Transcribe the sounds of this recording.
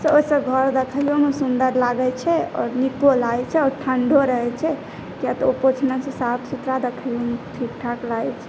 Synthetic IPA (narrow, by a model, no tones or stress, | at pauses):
sosə̃ɡʱəɾd̪ekʰəlomesund̪əɾlaɡɛt͡ʃʰɛɔ̰ːɾnikolaɛt͡ʃʰɛɔːɾʈʰəɳɖoɾəɦɛt͡ʃʰɛ | kijat̪opot͡ʃʰnəsẽsapʰsut̪ɾad̪ekʰəljomt̪ʰikʈʰaklaɛt͡ʃʰɛ̥